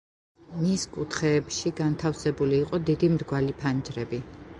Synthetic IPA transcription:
miskʼut̪ʰχɛːpʃiɡant̪ʰafsɛbuliːqʼɔd̪id̪imɾɡwalipʰand͡ʒɾɛbi

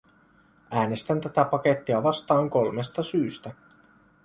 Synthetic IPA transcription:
ʔæːne̞st̪ænt̪æt̪æpɑke̞t̪ːiɑʋɑst̪ɑːŋko̞lme̞st̪ɑsyːst̪æ

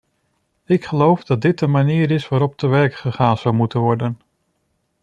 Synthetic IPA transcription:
ɪkχəlowvdɑt̚dɪt̚dəmaniːɾɪsʋaːɾɔp̚təʋɛɹkχəχaːnz̥ʌwmutənʋɔɹdən

